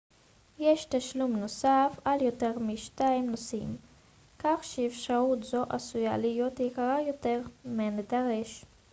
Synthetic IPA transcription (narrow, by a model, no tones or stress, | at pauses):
jeʃt̪aʃlumnosafaljoteʁmiʃtaimnosim | kaχʃɛːfʃaʁut̪zo̞ʔasuja̰lijot̪jikaʁajo̞teʁmened̪aʁeʃ